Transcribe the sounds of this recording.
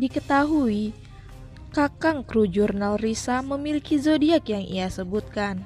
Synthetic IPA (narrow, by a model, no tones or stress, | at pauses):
dikət̪aɦui | kakaŋkɾud͡ʒurnalrisaməmilikizodiakjaŋʔḭasəbut̪̚kan